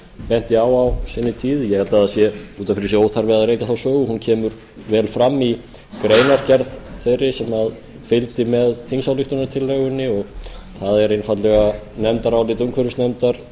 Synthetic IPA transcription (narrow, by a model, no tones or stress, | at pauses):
pɛn̥t̪ɪaːwawsɛnːɪt̪ʰiːðjɛhɛlt̪aðasjɛuːt̪amfɪɾɪsjɛowθaɾvɪðaðɾeːjtc̪aθawsœːɣʏhuncʰɛːmʏɾ | vɛːlfɾamːi | kɾeːjnaɾcɛɾðθejrːɪsɛmað | fɪlt̪ɪmɛðθʰinsawlɪht̪ʏnat̪ʰɪlːœɣʏnːɪɔɣθaðɛɾejnfat̪lɛɣanɛmt̪aɾawlɪt̪uŋkʰœɾʏsnɛmt̪aɾ̥